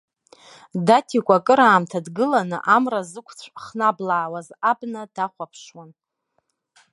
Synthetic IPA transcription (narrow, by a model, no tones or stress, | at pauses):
datʰikʷʼakʼɨɾaːmtʰadɡɨlanɨʔamrazɨkʷʰt͡sʷʰʼχnablaːwazabnad̥aχʷapʰʂwan